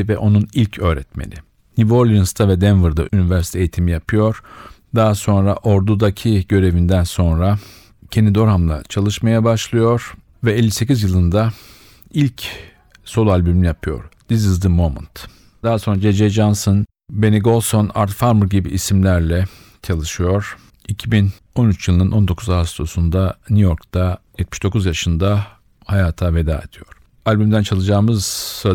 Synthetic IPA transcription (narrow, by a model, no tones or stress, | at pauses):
vɛʔo̞nunilʲcʰø̞ːɾɛt̪mḛnʔḭ | nivoɾlʲˠinst̪ʰavɛd̪ɛnvɯɾd̪a̰ʔynivæɾsi̥t̪ʰejit̪ʰimijapʰɯjo̞ɾ̥d̪aːso̞nɾaʔo̞ɾd̪ud̪acʰiɟø̞ɾe̞vind̪ænso̞nɾa | cʰend̪id̪o̞ɾɦamlˠa̰t͡ʃʰalˠɯʃmajabaʃlˠɯjo̞ɾ̥ | vɛelʲːise̞cizjɯlˠɯnd̪a | ilʲc | so̞lˠualʲbymnijapʰɯjo̞̰ɾ̥d̪̥izɯzd̪ɯmːomṵnt̪ | d̪aaso̞nɾad͡ʒed͡ʒɛd͡ʒanson | be̞niɡo̞lˠsona̰ɾt̪faɾmuɾɟibiʔːsimlʲæɾlʲɛ | t͡ʃʰalˠɯʃɯjo̞ɾ̥ | icʰibin | o̞nyt͡ʃjɯlˠɯnɯno̞nd̪o̞kʰuzaɦast̪ʰo̞sund̪anyjo̞ɾkt̪ʰajɛt̪̚miʃd̪̥o̞kuzjaʃɯnd̪a | hajaːt̪ʰave̞d̪a̰ːed̪ʰijo̞ɾ̥ | alʲbymd̪ænt͡ʃʰalˠɯd͡ʒaːmɯza